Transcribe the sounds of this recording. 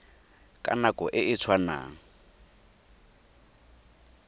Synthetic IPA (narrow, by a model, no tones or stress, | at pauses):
kʼa̰nakʼɔʔɪʔɪt͡sʰwana̰ːŋ̩